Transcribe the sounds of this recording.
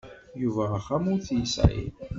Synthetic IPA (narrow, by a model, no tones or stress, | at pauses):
juvæχæmʊɾθjisʕ̰ḭl